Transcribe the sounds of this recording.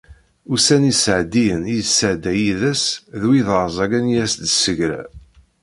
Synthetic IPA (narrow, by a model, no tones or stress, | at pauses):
usænisəʕd̪ijənisəʕd̪æjiðæsðwiðəɾˤzˤɑɡænjæsd̪səʝɾæ̰